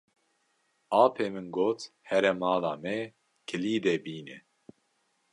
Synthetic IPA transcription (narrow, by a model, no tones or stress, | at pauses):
aːpʰeːmɨnɡoːt̪ | hɛɾɛmaːlaːmɛ | kʰɨliːd̪ɛbiːnɛ̰